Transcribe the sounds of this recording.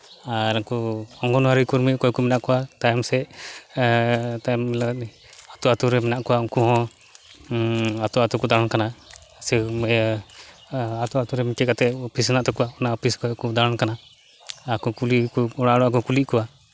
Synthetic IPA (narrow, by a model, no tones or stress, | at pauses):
aɾaŋkɔɔŋɡɔnwaɾikuɾmikɔjkumɛnaʔkɔwat̪ajɛmsɛ | t̪ajmla | at̪uat̪uɾɛmɛnaʔkɔwauŋkuɦɔ̃ | at̪uat̪ukɔd̪aɾankana | sɛ | at̪uat̪uɾɛmikɛkat̪ɛɔpʰisɛnaʔt̪ɔkɔwaɔnaɔpʰiskɔjkud̪aɾankana | akɔkulikuɔɽaɽɔʔakɔkulikɔwa